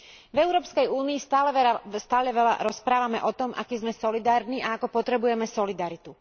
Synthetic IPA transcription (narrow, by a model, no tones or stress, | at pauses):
vɛʊɾɔːpskɛjuːniːst̪aːlɛst̪aːlɛʋɛla̰ɾɔspɾaːʋamɛ̰ʔɔt̪ɔmʔa̰kizmɛsɔlid̪aːɾniʔaakɔpɔt̪ɾɛbujɛmɛsɔlid̪aɾit̪u